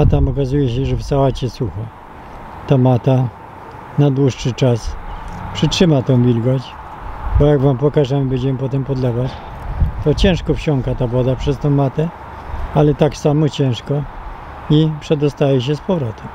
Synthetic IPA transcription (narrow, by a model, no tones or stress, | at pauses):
at̪amɔkazujɛɕɛʐɛfsawat͡ɕɛsuxa | t̪amat̪a | nad̪wuʂʂɘt͡ʂaspʂɘtʂɘmat̪ɛ̃w̃vʲilɡɔt͡ɕ | bɔjaɡvampɔkaʐɛmɘbɛɲd͡ʑɛmɘpɔt̪ɛmpɔd̪lɛvat͡ɕ | t̪ɔt͡ɕɛ̃w̃ʂkɔfɕɔŋkat̪avɔd̪apʂɛst̪ɛ̃w̃mat̪ɛ | alɛt̪aksamɔt͡ɕɛ̃ʂkɔ | ipʂɛd̪ɔst̪ajɛɕ̬ɛspɔvɾɔt̪ɛm